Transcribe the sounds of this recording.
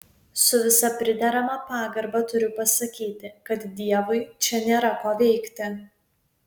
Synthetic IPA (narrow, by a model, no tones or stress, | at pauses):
sʊʋʲɪsɐpʲɾʲɪd̪ʲɛɾɐmɐpɑːɡɐɾbɐt̪ʊɾʲʊpɐsɐkʲiːt̪ʲɪkɐt̪d̪ʲiɛʋʊɪt͡ʃʲɛnʲeːɾɐkoːʋʲɛɪkt̪ʲɪ